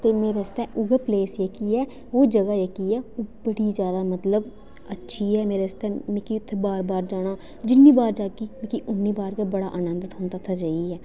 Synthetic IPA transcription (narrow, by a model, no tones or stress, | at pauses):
t̪eːmeːɾeːəst̪ɛːʔʊɡəɾpleːsjəkiːɛː | oːd͡ʒəɡaːjəkiːɛːoːbəɽiːd͡ʒjaːd̪aːmət̪ləb | ətːʃʰiːɛːmeːɾeəst̪ɛːmẽkiːʊt̪ʰːbaːɾbaːɾd͡ʒaːɽ̃aː | d͡ʒɪnːiːbaːɾd͡ʒaːkiːmẽkiːʔʊnːiːbaːɾkaːbəɽaːʔənənd̪ət̪ɦʊnd̪aːt̪ʰaːd͡ʒaːiːɛː